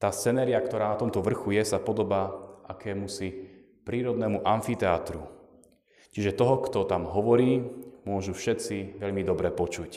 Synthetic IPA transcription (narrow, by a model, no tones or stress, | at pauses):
t̪aːst͡sɛnɛːɾiakt̪ɔɾaːnat̪ɔmt̪ɔʋr̩xujɛsapɔd̪ɔbaːʔakɛːmusi | pɾiːɾɔd̪nɛːmuʔanfit̪ɛaːt̪ɾu | t͡ʃiʒɛt̪ɔɦɔkt̪ɔt̪amɦɔʋɔɾiːmʊɔʒufʃɛt͡siʋɛʎmid̪ɔbɾɛpɔt͡ʃuc